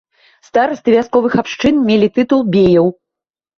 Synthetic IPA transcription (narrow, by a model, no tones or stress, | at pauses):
st̪aɾɐsʲt̪ɨvʲaskɔvɨxapʂt͡ʂɨnmʲelʲit̪ɨt̪ulˠbʲejɐw